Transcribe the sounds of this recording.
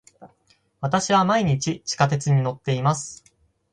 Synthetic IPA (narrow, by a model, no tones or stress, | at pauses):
βat̪aɕiβamaiɲ̟it͡ɕit͡ɕi̥kat̪̬e̞t͡sɨɲ̟ino̞t̪ːe̞imasɨ̥